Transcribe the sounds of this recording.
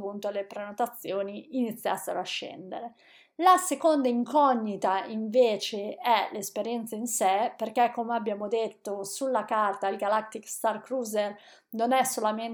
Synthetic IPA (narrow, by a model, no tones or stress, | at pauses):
punt̪oalepɾenot̪at̪sːjoːniinit̪sːja̰sːeɾoaʃːɛ̰nd̪ḛɾe | lasekond̪aiŋkʰɔɲːit̪aiɱveːt͡ʃeɛlespeɾjɛnt̪sainsɛperkɛkːomeabːjaːmod̪et̪ːosulːakart̪ailɡalak̚t̪ikst̪arkɾuːzer | nonɛsːolamen